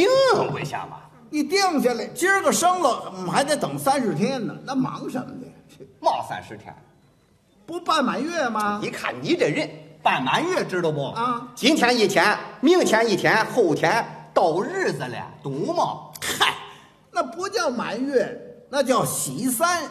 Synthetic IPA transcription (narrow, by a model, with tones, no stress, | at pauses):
i˧˥ŋxə˧˥˩kwe˧ɕja̰˧˩bɐ̰˨˩ | ni˨˩t̪jɛ˥˧ŋɕ̬ɛ˧˥la˧˩t͡ɕʰi˥ʂɻ̩˥ɡə˨˩ʂɤ˥ŋlə˨ɔ˨˩m˩xa˧˥ɪt͡sa˧˥ɪt̪ɤ˨˩ŋsa˥nʂɻ̩˥˧t̪ʰjɛ˥nə̰˨na˥˩mɑ̰˧˥ŋʂə̰˧˥mə̰˧˩nɛ˨˩˧mɑ˥˩ʊsa̰˥nʂɻ̩˥˩t̪ʰjɛ̰˧˥n | pu˧˥pa˥˩nma˧˥nɥɛ˥˩mɐ˩ni˧˥kʰa̰˥˩nni˧˥ʈ͡ʂə˨˩ɻə˥˩npa˥˩nma˧˥nɥɛ˥˩ʈ͡ʂɻ̩˥də˧˩pu˧˩a˧˩t͡ɕi˧˥ŋt̪ʰjɛ˧˥ni˥˩t͡ɕʰjɛ˧˥nmi˥˩ŋt͡ɕʰjɛ˧˥ni˥˩t̪ʰjɛ˧˥nxo˥˩ʊt̪ʰjɛ˧˥nt̪o˥˩ʊɻ̩˥˩d͡z̩˨˩l̰a̰˨˩t̪u˧˥mɑ˥˩ka˥˩ | na˥˩pu˧˥t͡ɕjɑ˥˩ʊma̰˧˥nɥɛ˥˩na˥˧t͡ɕjɑ˥˩ʊɕi˧˥sa˥n